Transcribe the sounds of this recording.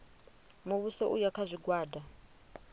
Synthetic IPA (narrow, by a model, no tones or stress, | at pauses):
moβusɛʔujakʰazʷiɡwaːda